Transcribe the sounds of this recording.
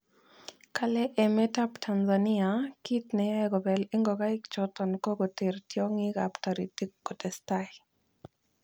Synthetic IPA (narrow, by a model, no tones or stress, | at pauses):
kalɛʔɛmɛtaptʰanzaniakitnɛjaɡɔbɛliŋɡoɡaɪkt͡ʃɔtɔnkoɡotertjɔŋɪɡa̰ptaɾitikkːɔtɛstai